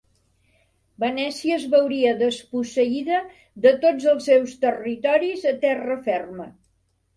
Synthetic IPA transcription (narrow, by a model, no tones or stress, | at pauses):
bənɛsiəzβəwɾiəðəspusəiðə | ðət̪od͡zəlˠsːewst̪ərit̪ɔɾizət̪ɛrəfɛrmə